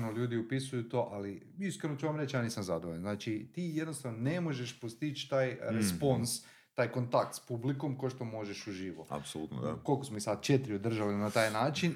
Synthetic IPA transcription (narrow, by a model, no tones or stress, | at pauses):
nolʎuːd̪iupisujut̪o̞ːʔali | iskɾenot͡ʃuʋamɾet͡ʃjaːniːsamzad̪oʋoʎanznaːt͡ʃit̪iːjed̪no̞st̪aʋnone̞mo̞ʒeʃpost̪it͡ʃt̪aːjɾespo̞ns | t̪aːjko̞nt̪ak̚t̪spubliko̞mkoʃt̪o̞mo̞ʒeʃuʒiːʋoa̰psolut̪no̰ko̞lˠkosmoisad̪̚t͡ʃet̪iɾiod̪r̩ʒalinat̪aːjnaːt͡ʃin